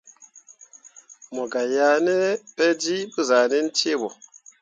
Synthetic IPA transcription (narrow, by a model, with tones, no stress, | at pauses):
mɔ˨ɡa˨ja˨˦nɛ˦pɛ˦di˦bə˦za˨ne˦n̩˦te˦˨bɔ˨